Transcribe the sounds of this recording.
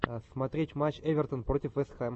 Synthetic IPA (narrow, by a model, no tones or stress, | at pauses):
smɐt̪ɾʲetʲmat͡ɕevʲɪrt̪ənprotʲɪfvɛst̪xam